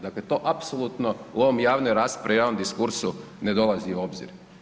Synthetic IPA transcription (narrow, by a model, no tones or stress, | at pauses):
d̪aklet̪o̞ːʔapsolˠut̪noloomjaːʋneɾaːst̪pɾejaːʋnomd̪iskuɾsu | ned̪o̞laziuo̞bzḭɾ